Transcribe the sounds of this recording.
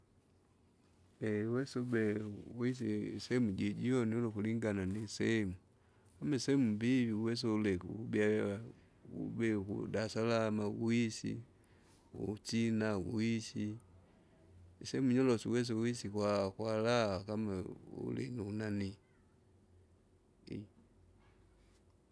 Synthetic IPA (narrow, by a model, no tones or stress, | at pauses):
ɛwɛsubɛwis̬isɛmuɟiɟiɔnɔlɔkuliŋɡananisɛmu | kamɛsɛmumbiviuwɛs̬ɔulɛkṵubia | ṵbɛkṵdasalamaɡuisḭ | ṵt͡ʃinawuisi | isɛmuɲɔlɔsiwɛs̬ɛwisikwakwalawakamaṵlḭniunani | i